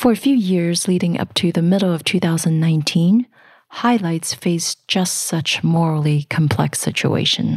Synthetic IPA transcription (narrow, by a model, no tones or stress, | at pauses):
fə˞ɨfjʉjɪɹzliɾɪ̃ŋʔʌ̰p̚tʰɨðɨmɪɾl̩ˠʌv̥tʰʉθaʊzə̃nnːãɪ̃ntʰĩn | haɪlaɪtsfeɪsd̥ʒ̥ʌstsʌt͡ʃmɔɹl̩ˠikʰm̩pʰl̥ɛ̰ksɪ̰t͡ʃṵḛɪʃɨ̰̃n